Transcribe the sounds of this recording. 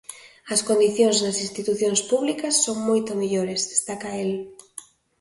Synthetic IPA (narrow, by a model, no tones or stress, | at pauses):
ɐskond̪iθjoŋznɐsĩnst̪it̪uθjoŋspuβlikɐsːoŋmojt̪omeʎoɾezðest̪akɐel